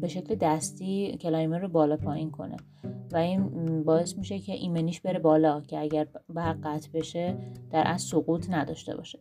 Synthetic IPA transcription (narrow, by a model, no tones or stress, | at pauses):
be̞ʃe̞cʰled̪æst̪iːcʰe̞lɒjmeɾrobɒːlɒːpʰɒːjinkʰo̞̰ne̞̰ | væiːnbɒːe̞smiːʃe̞cʰeʔiːmeniːʃbe̞ɾe̞bɒːlɒːcʰe̞æɟæɾbæɢæt̪ʰbe̞ʃe̞d̪̥æɾʔæssoɣuːt̪ʰnæd̪ɒ̰ːʃt̪e̞̰bɒ̰ːʃe